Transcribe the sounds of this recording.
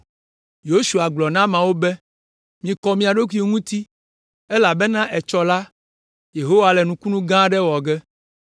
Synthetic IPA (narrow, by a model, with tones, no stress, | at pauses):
jo˦su˨a˨ɡ͡blɔ˨nã˦mã˨wo˦bɛ˦ | mĩ˨kɔ˨mĩ˦a˨ɖo˦k̬i˦o˦ŋũ˦t̪i˦ | ɛ˦la˨bɛ˦nã˦ʔɛ˨t͡ʃɔ˦la˦ | je˨ɦo˦wa˨lɛ˨nũ˨ku˦nũ˦ɡã˦ɖɛ˦wɔ˨ɡɛ˦